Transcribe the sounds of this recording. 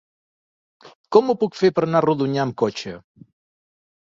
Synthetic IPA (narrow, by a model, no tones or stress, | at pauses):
kɔmupukfepəɾnaruðuɲaəmkot͡ʃə